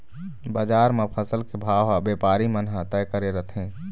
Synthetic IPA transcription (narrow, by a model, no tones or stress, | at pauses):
bad͡ʒaɾmepʰəsəlkebʱaʋabepaɾimənɦat̪ɛjkəɾeɾət̪ʰɦẽ